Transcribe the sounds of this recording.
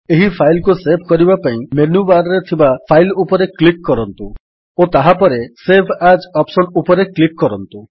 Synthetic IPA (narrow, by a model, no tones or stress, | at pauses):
eɦipʰajlkusepʰkɔɾibapaĩmenubaɾɔɾet̪ʰibapʰajlupɔɾeklikːɔɾɔnt̪u | ot̪aɦapɔɾesepʰad͡ʒɔpsɔnupɔɾeklikːɔɾɔnt̪u